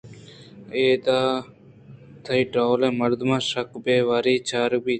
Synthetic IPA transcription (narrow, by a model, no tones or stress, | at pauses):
eːd̪aː | t̪ʰɐiʈɾaːwlẽːmɐɾd̪mãːʃɐkbeːʋaːɾiːt͡ʃaːɾ̚biː